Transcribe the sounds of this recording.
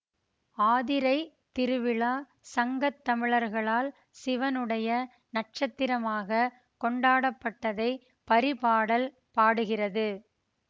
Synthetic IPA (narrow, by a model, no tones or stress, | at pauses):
aːðɪɾɐɪ | t̪ɪɾɯʋɪɭaː | sɐŋɡɐt̪ːɐmɪɭɐɾɣɐɭaːl | sɪʋɐnɯɽɐjɐ | nɐʈ̚t͡ʃɐt̪ːɪɾɐmaːɣɐ | kɔɳɖaːɽɐpːɐʈːɐðɐɪ | pɐɾɪpaːɽɐl | paːɽɯɣɪrɐðɯ